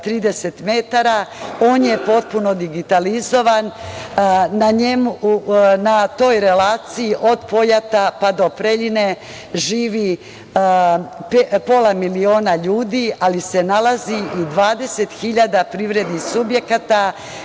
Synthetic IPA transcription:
t̪ɾiːd̪eset̪me̞t̪aɾao̞ːnje̞po̞t̪̚puno̞d̪iɡit̪alizo̞ʋan | naɲemunat̪o̞ːjɾe̞laːt̪sijiʔo̞d̪po̞jat̪apad̪o̞pɾeʎine̞ | ʒiːʋi | pepo̞lˠamilio̞ːnaʎuːd̪ialisenalaziid̪ʋaːd̪e̞se̞t̪xiʎad̪apɾiːʋɾe̞d̪nixsubje̞kat̪a

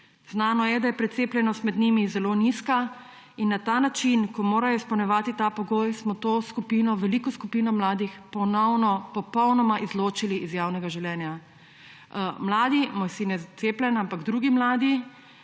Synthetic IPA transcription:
znaːnɔjɛd̪ajɛpɾɛt̪seːplʲjɛnɔst̪mɛd̪nimizɛloːniska | inːat̪aːnat͡ʃinkɔmoːɾajɔispɐwnɛʋaːt̪it̪aːpɔɡoːjsmɔt̪oːskupiːnɔʋɛliːkɔskupiːnɔmlaːd̪ixpɔnɔwnɔpɔpɔwnɔmaʔizloːt͡ʃiliʔizjaːwnɛɡaʒiwlʲjɛːnja | mlaːd̪imojsinɛt̪seːplʲɛnampaɡd̪ɾuːɡimlaːd̪i

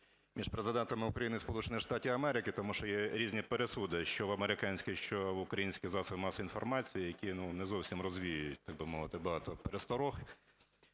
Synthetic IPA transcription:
mʲiʃpɾezɪd̪ɛnt̪ɐmɪʊkɾɐjinɪispɔlˠut͡ʃenɪjʃt̪ɑtʲiʋɐmɛɾɪkɪt̪ɔmuʃɔjɛɾʲizʲnʲipeɾesud̪ɪʃt͡ʃɔʋɐmeɾɪkɑnʲsʲkʲɪʃt͡ʃɔʋʊkɾɐjinʲsʲkʲɪzɑsɐmɑsɐinfɔrmɑt͡sʲijɪjɐkʲinunɛzɔwsʲimrɔzʋʲijʊjjʊt̚ʲt̪ɑɡ̚bɪmɔʋɪt̪ɪbɐɦɑt̪ɔpeɾest̪ɔɾɔx

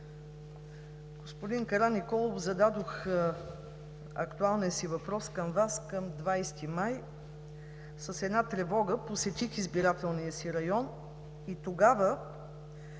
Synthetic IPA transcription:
ɡ̥ospod̪iŋkɐɾanikɔlˠovzɐd̪ad̪ox | ɐ̰kt̪ualˠniəsivɐpɾɔskɐmvaskəmd̪vajst̪imaj | səsɛd̪nat̪ɾɛvɔɡəposɛt̪ixizbiɾat̪ɛlˠnijəsiɾɐjɔn | it̪oɡavə

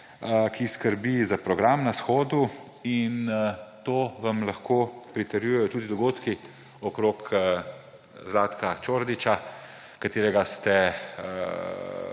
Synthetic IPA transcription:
kʰiskəɾbizapɾɔɡɾamnasxoːd̪u | int̪oːʋamlaxkoːpɾit̪əɾjujɛjɔt̪uːd̪id̪ɔɡoːt̪ki | ɔkɾoːk | zlaːt̪kat͡ʃoːɾd̪it͡ʃa | kat̪eːɾɛɡast̪ɛ

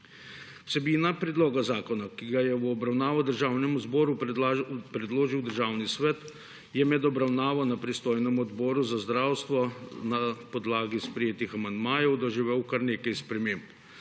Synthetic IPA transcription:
wsɛbiːnapɾɛd̪loːɡazaːkɔnakiɡajɛɔbɾawnaːʋɔd̪əɾʒaːwnɛmuzbɔːɾu | pɾɛd̪loːʒiwd̪əɾʒaːwnisʋɛt̪ | jɛmɛd̪ɔbɾawnaːʋawnapɾist̪oːjnɛmuɔd̪bɔːɾuzazd̪ɾaːwst̪ʋɔnapɔd̪laːɡispɾɛjeːt̪ixamand̪maːjɛwd̪ɔʒiʋewkaɾneːkajspɾɛmeːmp

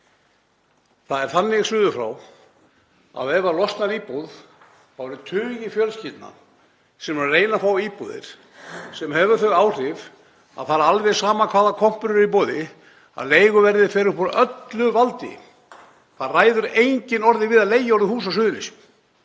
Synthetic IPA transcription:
θaðɛɾ̥θanːɪɣsʏːðʏfɾa̰w | a̰wɛvalɔst̪naɾiːpuð | θawɛɾʏt̪ʰʏːjɪfjœlscɪt̪na̰ | sɛmɛɾreːjnafɾawiːpuðɪ̰ɾ̥ | sɛmhɛːvʏɾθœɣaːwr̥ɪv | a̰ðθaɾalvɛ̥saːmakʰvaːðakʰɔm̥pʏɾʏɾɾipoːðɪ | a̰ðleːjɣʏvɛɾðɪfɛːɾʏpɔɾœt̪lʏvalt̪ɪ̰ | θaraːjðʏɾejɲcɪnɔɾðɪvɪðaðleːjɪɔɾðɪhuːs̬asʏːðʏnɪs

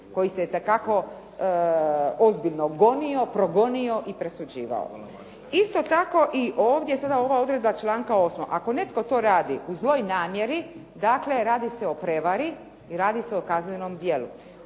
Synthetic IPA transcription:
ko̞jiset̪ekako̞ | ozbiʎʲnoɡo̞nio̞pɾo̞ɡo̞nio̞ʔipɾe̞sud͡ʑḭːʋa̰o̰ | ist̪o̞t̪ako̞ʔiʔoːʋd̪jesad̪ao̞ʋao̞d̪ɾed̪bat͡ʃlˠaːŋkao̞ːsmoʔako̞ne̞t̪ko̞t̪o̞ːɾaːd̪iʔuzlˠo̞jnaːmje̞ɾi | d̪akle̞ɾaːd̪ise̞o̞pɾe̞ʋaɾi | iɾaːd̪iseokaznenomd̪je̞lṵ

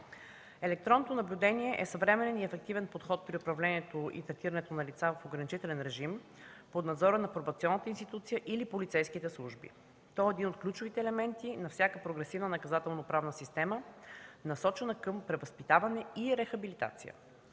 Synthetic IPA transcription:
ɛlɛk̚t̪ɾɔnːot̪onɐblʲud̪ɛniɛʔɛsɐvɾɛmɛnɛniɛfɛk̚t̪ivɛnpot̪xɔt̪̚pɾiʊpɾɐvlɛniɛt̪oʔḭt̪ɾɛt̪iɾɐnɛt̪onɐlit̪savɐfoɡɾɐnit͡ʃit̪ɛlɛnɾɛʒim | pod̪nɐd̪zɔɾənɐpɾobɐt̪siɔnːət̪əinst̪it̪ut̪sijəʔilipolit̪sɛjskit̪ɛslˠuʒbḭ | t̪ɔɛːd̪inot̪̚klʲut͡ʃʊvit̪ɛːlɛmɛnt̪inɐfsʲakəpɾoɡɾɛsivnənɐkɐzat̪ɛlˠnopɾavnəsist̪ɛmənɐsɔt͡ʃɛnəkəmpɾɛvɐspit̪avɐnɛiɾɛxɐbilit̪a̰t̪sijə̰

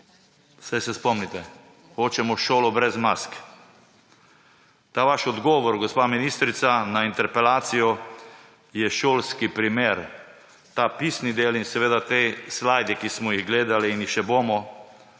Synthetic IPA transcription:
sajsɛspɔmnit̪ɛ | xoːt͡ʃɛmɔʃoːlɔbɾɛzmask | t̪aːʋaːʃɔd̪ɡɔːʋɔɾɡɔspaːminist̪ɾit̪sanaint̪ɛɾpɛlaːt̪sijɔ | jɛʃoːlskipɾimeːɾ | t̪aːpiːsnid̪eːlinsɛʋeːd̪at̪eslajd̪ikismɔjiɣɡleːd̪aliːnixʃɛboːmɔ

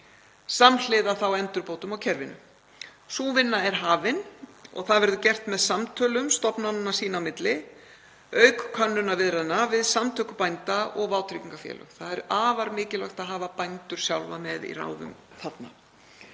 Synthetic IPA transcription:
saml̥ɪðaθawɛnt̪ʏɾpoːwt̪ʏmawcʰɛɾvɪnʏ̰ | suːvɪnːaɛɾ̥ɦaːvɪnɔ̰ɣθaðvɛɾðʏcɛr̥t̪mɛðsamt̪ʰœːlʏmst̪ɔpnannːasiːnawmɪt̪lɪ | œːɥkkʰœnːʏnavɪðɾaðnːavɪðsamt̪ʰœːkʏpajnt̪aɔɣvaːwt̪ʰɾiciŋkafjɛ̰ːlœ̰θaðɛɾaːvaɾmɪːcɪlœxt̪aðɦaːvapajnt̪ʏɾ̥sjawlvamɛðḭra̰ːwðʏ̰m | θat̪na̰

